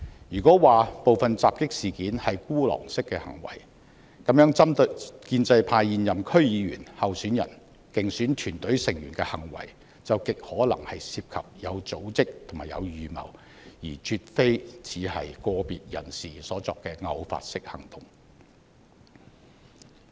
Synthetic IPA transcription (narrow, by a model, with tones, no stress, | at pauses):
jyː˨˩kɔː˨˥waː˨po˨wfɐ˨nt͡saː˨p̚kɪ˥k̚siː˨˩kiː˨˥nhɐ˨jkuː˥lɔ̰ː˨˩ŋsɪ˥kːɛː˧hɐ̰˨˩ŋwɐ̰˨˩j | kɐ˨˥mjœː˨˥ŋɐ˥mt̪kiː˧nt͡sɐ˧jpʰaː˧jjiː˨njɐ˨mkʰɵ˥ɥjiː˨˧ɥyː˨˩nhɐ˨wsyː˨˥njɐ̰˨˩n | kɪ˨ŋsyː˨˥nt̪ʰyː˨˩nt̪ɵ˨˥ɥsɪ˨˩ŋjyː˨˩nkɛː˧hɐ˨˩ŋwɐ̰˨˩j | t͡sɐ˨wkɪ˨k̚hɔː˨˥lɐ̰˨˩ŋhɐ˨jsiː˧p̚kʰɐ˨p̚jɐ˨˧wt͡so˨˥wt͡sɪ˥k̚t̪ʰʊ˨˩maː˨˩jɐ̰˨˧wjyː˨mɐ̰˨˩w | jiː˨˩t͡ʃʰyː˧t̚fe˥jt͡sʰiː˨˥hɐ̰˨jkɔː˧piː˨t̚jɐ̰˨˩nsiː˨sɔː˨˥t͡sɔː˨kːɛː˧ŋɐ˨˧wfa̰ː˧t̚sɪ˥k̚hɐ˨˩ŋt̪ʰʊ̥˨˩ŋ